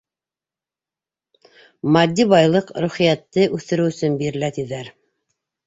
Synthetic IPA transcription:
mɑd̪ʲːiβɑjlˠɤqɾuχijæt̪ːɤʔʉθɘ̆ɾɘwɵ̆sɵnbiɾɘ̆læt̪iðæɾ

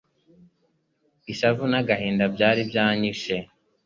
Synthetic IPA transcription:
iʃavunaɡahiːndabɟaːɾibjaːɲiʃe̞

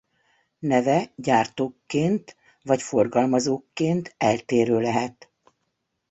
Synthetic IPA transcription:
nɛvɛɟaːrt̪oːkːeːnt̪ | vɒcfo̞rɡɒlmɒzoːkːeːnt̪ɛlt̪eːɾøːlɛɦɛt̪

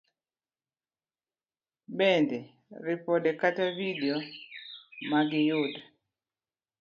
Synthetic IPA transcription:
bɛndɛ | ɾɪpɔdɛkatavideo | maɡɪjʊd

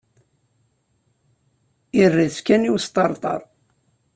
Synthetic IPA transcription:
irːiðskːæniwst̪ɑɾˤt̪ˤɑ̰ɾˤ

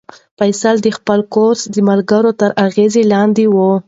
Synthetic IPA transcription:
fajsald̪əxpəlkoɾsd̪əmalɡəɾot̪əɾʔaɣezelɑnd̪ewo

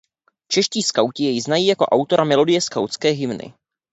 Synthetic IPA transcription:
t͡ʃɛʃciːskawcɪjɛjznajiːjako̞ʔawt̪o̞ɾʔamɛlo̞dɪjɛskawt͡skɛːɦɪmnɪ̰

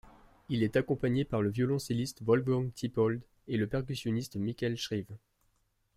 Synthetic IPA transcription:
ilɛt̪akɔ̃paɲepaʁləvjɔlɔ̃selist̪vɔlɡɔŋt̪ʰipɔld̪ | eləpɛʁk̬ʲysjɔnist̪mikʲɛlʃʁiv

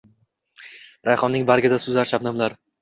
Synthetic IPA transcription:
ɾajχɒnːɪŋbaɾɡʲad̪asʊzlaɾʃabnamlaɾ

